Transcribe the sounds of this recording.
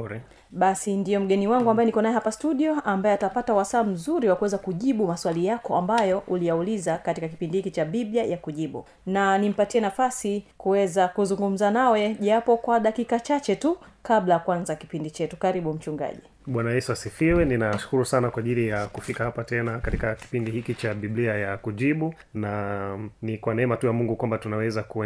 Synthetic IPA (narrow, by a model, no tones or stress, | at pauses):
ɾɛ | ɓasindijɔm̩ɡɛniwaŋɡuambajɛnikɔnaɛɦapastuɗiɔambaɛatapatawasaːm̩zuɾiwakuwɛzakuʄiɓumaswalijakɔambajɔʔulijaulizakatikaki̥pindihikit͡ʃaɓiɓjajakuʄiɓṵ | nanim̩patiɛnafasikuwɛzakuzuŋɡum̩zanawɛʄapɔkwaɗakikat͡ʃat͡ʃɛtukaɓlajakuanzaki̥pindit͡ʃɛtukaɾiɓum̩t͡ʃuŋɡa̰ʄi | ɓwanaɛsasifiwɛninaʃu̥kuɾusanakwaʄilijakufikahapatɛnakatikaki̥pindihikit͡ʃaɓiɓliajakuʄiɓu | nanikwanɛɛmatujamuŋɡukwambatunawɛzakuɛ